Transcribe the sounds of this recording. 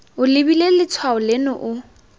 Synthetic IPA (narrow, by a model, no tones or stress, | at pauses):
ʊlɪbilelɪt͡sʰwaʊlenʊʔʊ